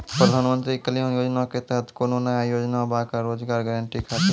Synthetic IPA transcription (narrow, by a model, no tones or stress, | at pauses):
pɾəd̪ʱaːnmə̃nt̪ɾikəlõjoːd͡ʒnaket̪ɛɦət̪ʰkoːnonəjajoːd͡ʒnabakaɾoːd͡ʒɡaːɾɡɛːɾəɳʈikʰaːt̪ɪ